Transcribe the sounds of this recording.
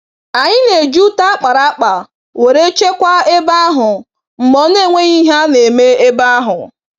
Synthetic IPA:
a˨ɲɪ˦ne˨d͡ʒu˦ta˦k͡pa˨ɾa˦k͡pa˨ | we˨ɾe˦t͡ʃe˦kʷa˦e˦ba˦a˦ɦʊ˨ | ŋ͡m̩˨mɔ˨˦ne˦˨ŋʷe˦ɲi˦ɦa˦ne˨me˦e˦ba˦a˦ɦʊ˨

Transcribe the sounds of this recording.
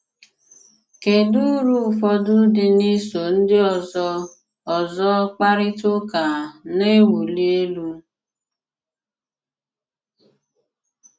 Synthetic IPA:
ke˨du˦ɾu˦˨fɔ˦dʊ˦dɪ˨ni˦so˨n̩˦dɪ˦ɔ˨zɔ˦ | ɔ˨zɔ˦k͡pa˦ɾɪ˦to˦ka˨ne˦wu˨li˦e˦lu˦

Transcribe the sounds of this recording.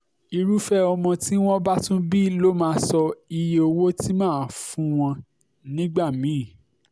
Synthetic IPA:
i˧ɾu˦fɛ˦ɔ˧mɔ̃˧ti˦w̃ɔ̃˦ba˦tũ˦bi˦lo˦mãː˦˧˦sɔ˧i˧je˦o˧wo˦ti˦mãː˦˨fũ˦w̃ɔ̃˧ | nĩ˦ɡ͡ba˦˨mĩ˨˦˨

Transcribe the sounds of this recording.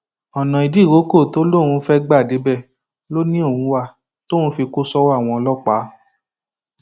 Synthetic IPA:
ɔ˨nã˨i˨di˨˦˨ɾo˨˦ko˦˨to˦lo˦˨wũ˧˦fɛ˦ɡ͡ba˦˨de˨˦bɛ˦˨ | lo˦nĩ˦o˦˨hũ˨˧˦wa˧˨ | tõ˦˨ũ˦fi˧ko˦sɔ˦wa˦˨w̃ɔ̃˧ɔ˧lɔ˦k͡pa˨˦

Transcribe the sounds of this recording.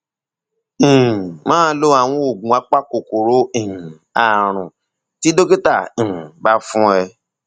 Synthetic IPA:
mãː˦lo˦a˦˨w̃ɔ̃˧˦o˨ɡ͡bũ˨˦a˦k͡pa˦ko˨ko˨ɾo˨˦ĩ˨ | a˨ɾ̃ũ˨ | ti˦do˦ke˦tã˦˨ba˦fũ˦ɛ˧

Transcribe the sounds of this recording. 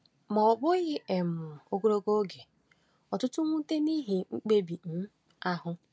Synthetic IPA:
mɔ˨ɔ˨bʊ˦ɣɪ˦e˨mʊ˨o˦ɡo˦ɾo˦ɡo˦ɡe˨ | ɔ˨tʊ˦tʊ˦ŋʷu˦te˦ni˦ɦi˨ŋ͡m̩˦k͡pe˦bi˨n̩˦ | a˦ɦʊ˦

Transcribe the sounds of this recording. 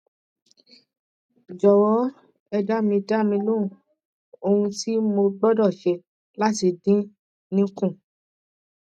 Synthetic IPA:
d͡ʒɔ˨wɔ˨˦ | ɛ˧da˦mĩ˧da˦mĩ˧lõ˦˨ | o˧hũ˧ti˦mo˧ɡ͡bɔ˦dɔ˦˨ʃɛ˧ | la˦ti˧dĩ˦ | nĩ˦kũ˦˨

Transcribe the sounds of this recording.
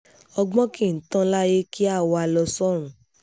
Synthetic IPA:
ɔ˧ɡ͡bɔ̃˦kĩ˦˨n̩˨˦tã˦la˦je˦ki˦a˦˨wɔ˧a˧lɔ˧sɔ˦˨ɾ̃ũ˨˦

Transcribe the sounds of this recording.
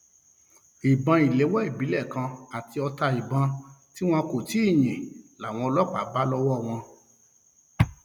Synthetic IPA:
i˨bã˧i˨le˨˦wɔ˦i˦˨bi˨˦lɛ˦˨kã˧a˨ti˧ɔ˧ta˧i˨bã˧ti˦w̃ɔ̃˧ko˨ti˨˦i˦˨j̃ĩ˨la˨w̃ɔ̃˧ɔ˧lɔ˦k͡pa˨˦ba˦lɔ˦wɔ˦˨w̃ɔ̃˧

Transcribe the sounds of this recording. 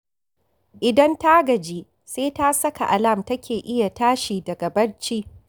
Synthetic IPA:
ʔɪ˨dɐ˦nta˦ɡɐ˨d͡ʒiː˦ | seː˦ta˦sɐ˦ka˨ʔa˨lɐ˦˨mtɐ˦kʲeː˨ʔɪ˦ja˨taː˦ʃiː˨dɐ˨ɡɐ˨bɐ˦ɽt͡ʃi˦

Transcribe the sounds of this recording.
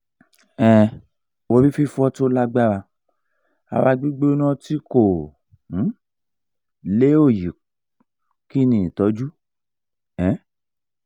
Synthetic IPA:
ɛ̃˨ | wo˧bi˦fi˦fɔ˦to˦la˦ɡ͡ba˦ɾa˧ | a̰˧wa˧ɡ͡bi˦ɡ͡be˦nɔ̃˦ti˦kõ˨˦ | le˦o˦˨ji˨ | ki˦nĩ˨i˨tɔ˨˦d͡ʒu˦ | ɛ̃˨˦

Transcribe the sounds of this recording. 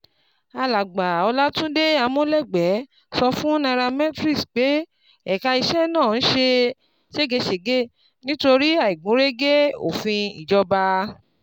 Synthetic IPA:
a˧la˨ɡ͡ba˨ɔ˧la˦tũ˦de˦a˧mõ˦lɛ˦˨ɡ͡bɛ˨˦ | sɔ˧fũ˦nã˧ɾa˧mɛ̃˦tɾi˦˨sk͡pe˨˦ | ɛ˨ka˧i˧ʃɛ˦nãː˦˨ñ̩˦ʃe˧ | ʃe˦˨ɡe˧ʃe˨ɡe˦˨ | nĩ˦to˧ɾi˦a˦˨i˨ɡ͡bũ˨˦ɾe˦ɡe˦o̰˦˨fĩ˧ḭ˨d͡ʒɔ˧ba˧

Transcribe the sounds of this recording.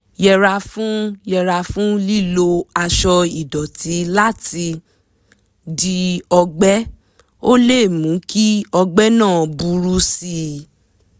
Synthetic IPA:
jɛ˧ɾa˧fũ˦jɛ˧ɾa˧fũ˦li˦lo˧a˧ʃɔ˧i˨dɔ˨ti˨˦la˦ti˧ | di˧ɔ˧ɡ͡bɛ˦ | o˦le˦˨mũ˨˦ki˦ɔ˧ɡ͡bɛ˦nãː˦˨bu˧ɾu˦si˦

